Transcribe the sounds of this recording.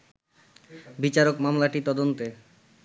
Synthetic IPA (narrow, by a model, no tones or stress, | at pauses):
bit͡ɕaɾokmamlaʈit̪ɔd̪ont̪e